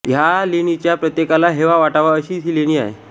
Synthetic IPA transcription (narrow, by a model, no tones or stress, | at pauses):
jaleñit͡ɕjapɾət̪jekalaɦeʋaʋaʈaʋaəɕiːsiːleɽ̃iːa̰ɦḛ